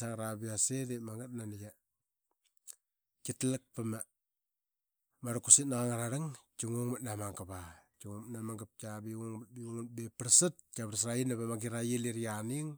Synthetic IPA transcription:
saŋɾabiasedemaŋɡat̚nanija | kitlak̚pama | maɾakusitnaɣaŋaɾaɾaŋt͡ʃuŋoŋmat̚namaŋkaβat͡ʃuŋomnamaŋɡap̚kabiŋoŋmat̚biuŋubepɾsat̚kaβɾsɾainaβamaɡiɾajiliɾianiŋ

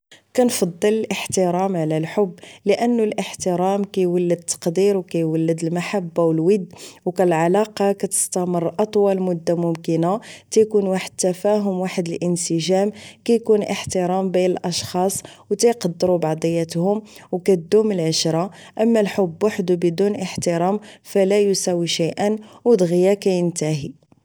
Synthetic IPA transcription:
kænfɑd̪ˤːələlʔəħt̪əɾɑmʕlælħʊbːləʔənːulʔəħt̪əɾæmkæjwəlːəd̪̚t̪ʰːɑ̥qd̪iɾwkæjwəlːəd̪əlmaħabːawəlwəd̪ːwkælʕalɑqɑkæt̪ə̥st̪æmərˤːʔɑt̪ˤwɑlmʊd̪ːamʊmkənat̪æjkunwaħəd̪̚t̪ːæfæɦʊmwaħəd̪əlʔənsəʒæmkæjkunʔəħt̪əɾɑmbinəlʔɑʃxɑsˤwt̪æjqɑd̪ːəɾubɑʕd̪ˤəjːæt̪hʊmwkæt̪d̪uməlʕəʃɾˤɑ | ʔəmːælħʊbːwaħd̪ubəd̪unʔəħt̪əɾɑmfælæjusæwiʃajʔənwəd̪ɣjakæjənt̪æɦi

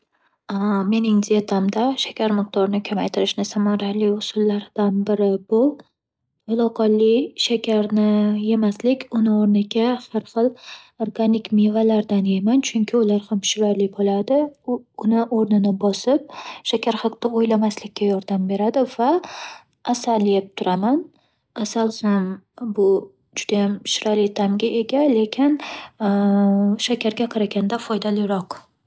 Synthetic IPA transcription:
ame̞nɪŋziet̪ʰamd̪aʃakʲʰaɾmɨq̚d̪ɒɾɪnɪkʲʰamajt̪ʰɪɾɪʃnɪsamaɾalɪjʊsʊlˠːaɾd̪̥anbɪɾɪbʊ | ʊlˠɒqʰɑlɪjʃakʲʰaɾnɪje̞maslɪkʲʰʊnɪoɾnɪɡʲahaɾχɨlˠ | oɾɡanɪkʲmevalaɾd̪anejmant͡ʃʰʊŋkʲʰɪʊlaɾhamʃʊɾaɾlɪbolˠad̪ɪʊnɪʔoɾnɪnɪbɒsɪp̚ʃakʲʰaɾχɑqt̪aojlamaslɪkʲʰːajɒɾd̪ambe̞ɾad̪ɪvaː | salːijɪp̚t̪ʰʊɾaman | asalˠhambʊ | d͡ʒʊd̪ajamʃʊɾalɪjt̪ʰamɡʲaʔe̞ɡʲale̞kʲʰɪn | ʃakʲaɾɡʲaqʰɑɾaɡʲand̪afɒjd̪alɪɾɒq

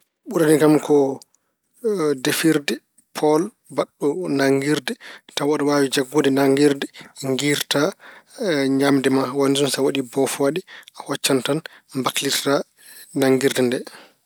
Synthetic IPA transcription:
ɓuɾaniɡamkʰɔ | defiɾdɛ | pʰɔl | baɗːɔnaŋɡiɾdɛtawaɗɔwawid͡ʒaɡːudɛnaŋɡiɾdɛŋɡiɾta | ɲamdɛmawanizunsawaɗibɔfwaɗiahɔt͡ʃːantanmbakliɾta | naŋɡiɾdɛndɛ

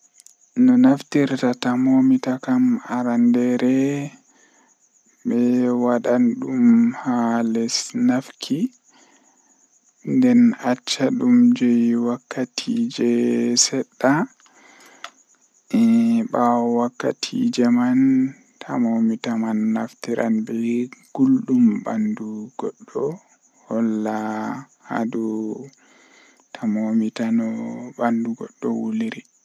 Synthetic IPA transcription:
nɔnaftiɾtatamomitakamaɾandɛɾɛ | ɓɛwaɗanɗumhalɛsnafkʰi | ndɛnat͡ʃːaɗumd͡ʒɛjwakːatʰid͡ʒɛsɛɗːa | ɛɓawakːa̰tʰḭd͡ʒɛman | tʰamomitamanːaftiɾʔa̰nbɛɡ̥ulɗumbanduɡɔɗːɔ | hɔlːa | ha̰du | tʰamomitanɔbanduɡɔ̰ɗːɔ̰wuliɾi

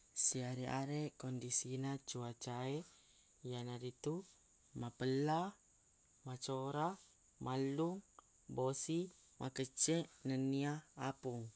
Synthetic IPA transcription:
siaɾeʔaɾɛʔkɔndisinat͡ʃuat͡ʃae | janaɾit̪u | mapəla | mat͡ʃoɾa | maluŋ | bosi | mʔakət͡ʃɛʔnəniaapuŋ

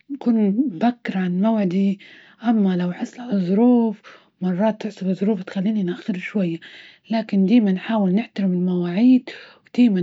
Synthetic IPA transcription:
nakuːnbakːɪɾʕanmawʕɪd̪i | ʔamːalawħɪsˤːlʕalazˤʊɾuːf | mɑrˤːɑːt̪ːɪʕsˤɪbɨzˤːʊɾuːft̪xalːiːninʔaxːɪɾʃwajːa | laːkɪnd̪eːmanħaːwɪlnɪħt̪aɾɪmɪlmawaːʕiːd̪wd̪̥eːma

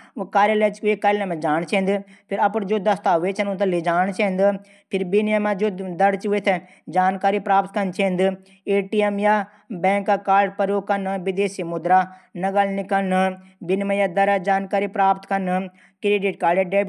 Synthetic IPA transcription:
kaːɾjəleːt͡ʃkːekɐɾlẽmẽd͡ʒaːɳt͡ʃʰẽːnd̪pʰɪɾɐpənd͡ʒoːd̪ɐst̪aːʋeːt͡ʃʰənut̪ɐlid͡ʒaːɳt͡ʃʰẽːnd̪ɨ | pʰɪɾbinjamãd͡ʒoːd̪ɐɾt͡ʃʋet̪ʰɛ | d͡ʒaːnkaːɾipɾaːpt̪kɐnt͡ʃʰẽːnd̪ | eːʈiːemjaː | bɛ̃ːŋkakaːɾɖpəɾjoːɡkɐnʋɪd̪eːsimʊd̪ɾaːnɐɡəlnɪkəlnɨbɪnmẽjaːd̪ɐɾad͡ʒaːnkaːɾipɾaːpt̪kɐnɨ | kɾeɖiʈ̚kaːɾɖjaːɖeː

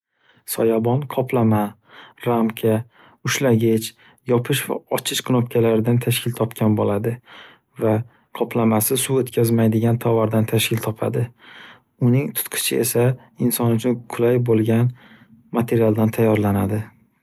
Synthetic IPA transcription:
sɒjabɒnqʰɒpʰlama | ɾamkʲʰa | ʊʃlaɡʲɪt͡ʃ | jɒpʰɪʃva̰ɒt͡ʃʰɪʃqʰɨnɒpkʲʰalaɾɪd̪ant̪ʰaʃkʲɪlt̪ʰɒpkʲʰanbolad̪ɪ | va | qʰɒpʰlamasɪsuot̪kʲʰazmajd̪ɪɡʲant̪ʰɒvaɾd̪ant̪ʰaʃkʲʰɪlt̪ʰɒpʰa̰d̪ɪ | ʊnɪŋt̪ʰʊ̥t̪qʰɨ̥t͡ʃʰɪe̞sa | ɪnsɒnʊt͡ʃʰʊnkʰʊlajbolˠɡʲan | mat̪ʰe̞ɾialˠd̪ant̪ʰajːɒɾlanad̪ɪ

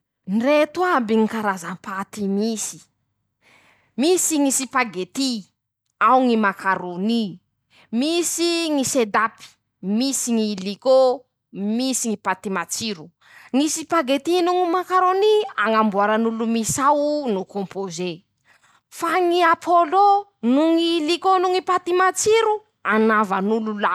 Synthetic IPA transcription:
nret̪uabiŋikaɾazampat̪imisi̥ | misiŋisipaɡet̪i | awŋimakaɾoni | misiŋised̪api̥ | misiŋiliko | misiŋipat̪imat͡siɾu | ŋisipaɡet̪inuŋimakaɾoniaŋambuaɾanulumisawnukompoze | faŋiapʰolonuŋilikonuŋipat̪imat͡siɾu | anavanulula

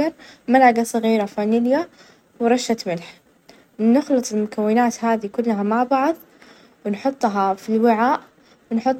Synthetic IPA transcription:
ɑɾˤmalaɡasˤɨɣiːɾafaːnɪlja | wɾˤɑʃːat̪mɪlħ | ɪnːʊxlɨt̪ˤɪlmʊkawːɪnaːt̪haːðikʊlːɦamaʕbɑʕðˤ | wɪnħʊt̪ˤːɦɑfilwɪʕaːʔ | wɪnħʊt̪ˤː

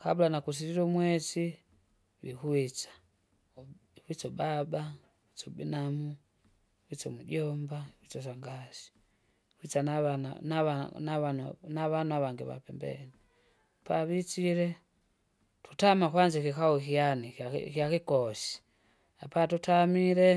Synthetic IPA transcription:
kabulanakus̬iɾiɾɔumwɛsi | wḭkuit͡sḁ | hit͡sɔbaba | wit͡sɔbinamu | kit͡sɔmuɟɔmbawit͡sɔs̬aŋɡasi̥ | kwit͡sannaanaannaβanuaβaŋɡiβa̰pɛmbɛ̰ni | paβit͡ʃiɾɛ | tu̥tamakwand͡ʒikikawukijanikjakikɔsi̥ | apatutamiɾɛ

